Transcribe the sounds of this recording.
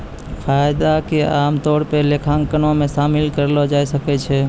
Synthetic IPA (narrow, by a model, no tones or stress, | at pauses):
fʰajd̪akeaːmt̪oːɽpelekʰãŋkənõmẽsaːmɪlkəɾlod͡ʒaːjsəkɛt͡ʃʰɛ